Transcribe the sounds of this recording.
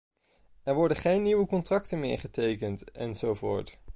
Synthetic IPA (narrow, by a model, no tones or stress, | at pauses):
ɛɹʋɔɹdəχejnːiʋəkɔntrɑk̚tənmɪ̰ːɹχətejkəntɛ̰nzowvʊ̰ːɹt